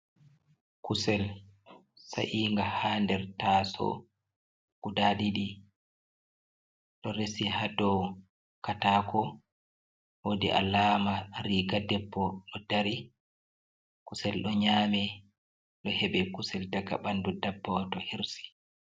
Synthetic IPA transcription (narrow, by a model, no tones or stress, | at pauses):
kusɛl | sa̰ʔiːŋɡahaːndɛɾtaːsɔ̰ | kudaɗiɗi | ɗɔɾesihadɔw | kataːkɔ | wodḭʔa̰laːmaɾiːɡadɛbːɔɗɔd̥aɾi | kusɛlɗɔɲaːmɛ | ɗɔhɛɓɛkusɛldaɡa̰ɓandudabːɔtɔhiɾsi̥